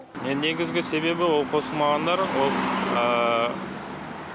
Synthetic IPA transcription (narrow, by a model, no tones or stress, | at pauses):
nene̞ɡʲɪzɡʲɪse̞βe̞bɪwo̞lˠqʰo̞səlˠmɑʁɑnd̪ɑɾwo̞lˠə